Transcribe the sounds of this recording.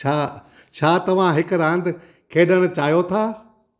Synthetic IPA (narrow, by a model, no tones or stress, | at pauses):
t͡ɕʰaː | t͡ɕʰaːt̪ɐʋ̤ãɦɪkʊɾãːnd̪ | kʰeːɗəɽ̃ɪ̆t͡ɕaːjot̪ʰaː